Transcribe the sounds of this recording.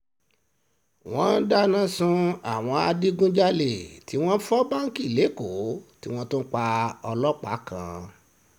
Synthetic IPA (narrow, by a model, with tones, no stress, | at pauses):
w̃ɔ̃˦n̩˦da˦nã˦sũ˧a˨w̃ɔ̃˧a˧di˦ɡũ˦d͡ʒa˦le˨ti˨˦w̃ɔ̃˦fɔ˦ba˦ŋ̩˦ki˦˨le˨˦ko˨˦ti˦w̃ɔ̃˦tũ˦k͡pa˧ɔ˧lɔ˦k͡pa˨˦kã̰˧